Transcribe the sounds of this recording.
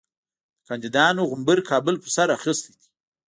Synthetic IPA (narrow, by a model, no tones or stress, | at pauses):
əkʰɑnd̪id̪ɑnoɣʊmbəɾkʰɑbʊlpəsaɾaxəst̪id̪i̥